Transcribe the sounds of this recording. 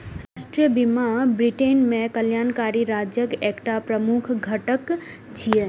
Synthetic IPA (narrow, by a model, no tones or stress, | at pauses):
ɾasʈɾijəbimabɾiʈenmekəljankaɾiɾad͡ʒjəkekʈapɾəmukʰɡʱəʈək | t͡ʃʰije